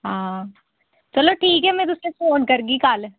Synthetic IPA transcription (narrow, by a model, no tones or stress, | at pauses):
ɦãː | t͡ʃɐloʈʰiːkɦɛmɛ̃t̪ʊsɾefoːnkɐɾɡikaːl